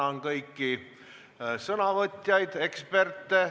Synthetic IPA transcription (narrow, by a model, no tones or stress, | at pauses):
ɑnkɤjkːi | sɤnɑvɤt̪ʲːjɑjd̪e̞kspe̞rt̪ːˑe